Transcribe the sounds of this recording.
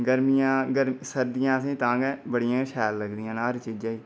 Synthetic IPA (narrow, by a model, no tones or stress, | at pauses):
ɡəɾmijãːɡəɾmsəɾd̪ɪjãːsẽːt̪ãːɡɛbəɽɪjãːʃɛːlːəɡd̪ijãːnaːɾt͡ʃiːd͡ʒaːiː